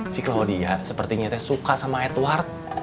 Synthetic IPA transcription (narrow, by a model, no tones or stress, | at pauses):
sɪklodiasəpərt̪iɲat̪ɛsukasamaɛt̪wart̪̚